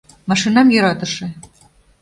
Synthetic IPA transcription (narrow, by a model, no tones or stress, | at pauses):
mɑʃinɑmjø̆ɾɑt̪ɤ̆ʃĕ